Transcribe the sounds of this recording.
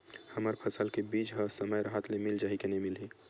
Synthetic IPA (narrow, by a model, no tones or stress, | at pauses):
həməɾpʰəsəlkebiːd͡ʒɦəsəməjɾəɦət̪lemɪld͡ʒaːɦikenɐĩmɪlɦi